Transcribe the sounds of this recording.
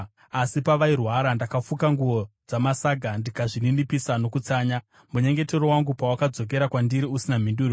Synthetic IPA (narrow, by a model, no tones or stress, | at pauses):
asipaʋairwaɾandakafukaŋɡuʋo̞d͡zamasaɡʱandikaʐininipisano̞kut͡saːɲa | muɲeŋɡe̞teɾo̞waŋɡupawakad͡zo̞k̬e̞ɾakwandiɾiusinam̤induːri